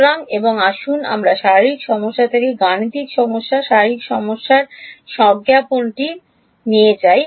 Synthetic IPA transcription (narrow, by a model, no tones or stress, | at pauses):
ɾaŋeboŋaʃuna̰mɾaʃaɾɾikʃɔmoʃːat̪ʰekeɡanit̪ikʃɔmoʃːaʃaɾɾikʃɔmoʃːaɾʃɔɡjaponʈi | niet͡ɕaj